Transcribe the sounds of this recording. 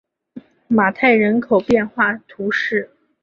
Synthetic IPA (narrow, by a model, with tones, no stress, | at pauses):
ma˨˩t̪ʰa˥˩ɪɻə˧˥nkʰo˨˩ʊpjɛ˥˧nxwa˥˩t̪ʰu˧˥ʂɻ̩˥˩